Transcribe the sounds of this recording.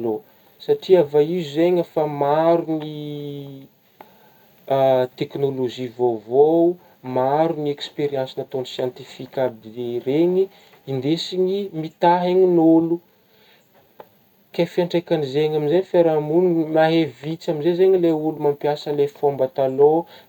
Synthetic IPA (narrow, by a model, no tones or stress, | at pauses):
lo | saʈ͡ʂiavaizuzeɲafamaɾuni | t̪eknoloʒivovo | maɾuniekspeɾjansinat̪onisjãnt̪ifikʲabd̪ereɲi | ind̪esiɲimit̪aɦeɲinulu | kajfiaɳʈ͡ʂajkanizeɲaminzeɲfeɾamunmaɦevit͡samizezeɲileulumampjasəlefombat̪alo